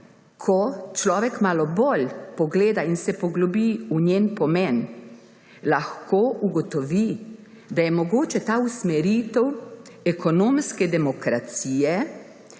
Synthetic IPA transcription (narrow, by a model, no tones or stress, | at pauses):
kʰɔt͡ʃlɔːʋɛkmaːlɔbolʲpɔɡleːd̪ainsɛpɔɡlɔbiuɲjeːnpɔmɛn | laxkoːʔuɡɔt̪ɔʋi | d̪ajɛmɔɡoːt͡ʃɛt̪ausmɛɾiːt̪ɛwɛkɔnoːmskɛd̪ɛmɔkɾat̪siːjɛ